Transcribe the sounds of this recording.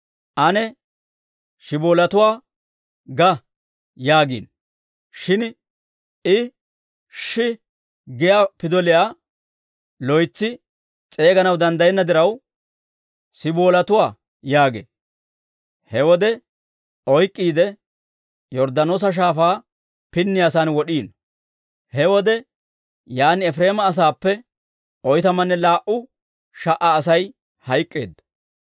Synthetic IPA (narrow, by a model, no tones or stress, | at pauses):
ʔɐnɛ | ʃɪboːlɐt̪ʊwaː | ɡɐ | jaːɡḭːn | ʃɪn | ɪ | ʃɪ | ɡɪjaːpɪd̪ɔlɪjaː | lɔjt͡sːɪ | t͡sʼe̞ːɡɐnɐwd̪ɐnd̪ɐjɛnːɐd̪ɪɾɐw | sɪboːlɐt̪ʊwaː | jaːɡḛː | hɛwɔd̪ɛ | ɔjkʼːiːd̪ɛ | jɔɾd̪ɐnoːs̬ɐʃ̬aːfaː | pɪnːɪjaːsaːnwɔɗiːn | hɛwɔd̪ɛ | jaːnɪɛfɾe̞ːmɐːs̬aːpːɛ | ɔjt̪ɐmɐnːɛlaːʔʊ | ʃɐʔaːsɐj | hɐjkʼːe̞̰ːd̪ːɐ̥